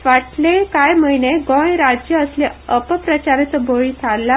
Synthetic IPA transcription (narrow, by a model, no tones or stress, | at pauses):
ʋaʈlekajməjneɡɔ̃jɾad͡ʑjəəsleəpəpɾət͡ɕaɾet͡səboɭit̪ʰalːa